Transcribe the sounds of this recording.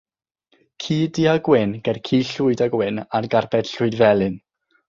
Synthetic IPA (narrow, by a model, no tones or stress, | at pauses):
kʰiːdiaɡwɪnɡ̥ɛrkʰiːɬʊɨdaɡwɪnarɡarbɛd̥ɬʊɨdvɛlˠɨn